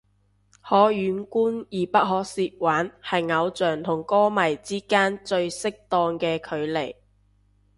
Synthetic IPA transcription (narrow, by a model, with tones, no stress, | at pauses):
hɔː˨˥jyː˨˧nkuː˥njiː˨˩pɐ˥k̚hɔː˨˧k̚siː˧t̚waː˨˥nhɐ˨jŋɐ˨˧wt͡sœː˨˩ŋt̪ʰʊ˨˩ŋkɔː˥mɐ˨˩jt͡siː˥kaː˥nt͡ʃɵ˧ɥsɪ˥k̚t̪ɔː˧ŋkɛː˧kʰɵ˨˧ɥle˨˩j